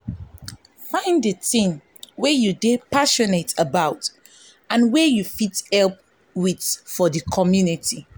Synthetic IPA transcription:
fãɪ̃nddəθĩŋ | wɛjudepaʃɔnetəbaʊt | ãnwɛjufithɛlp̚ | witfɔðəkʰɔmjunitʰi

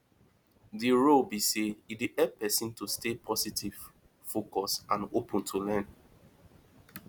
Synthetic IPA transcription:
diɹobiseidiʔɛpɛsĩntustepʰɔsitʰiv̥ | fokɔsãnopə̃ntʰulɛ̃n

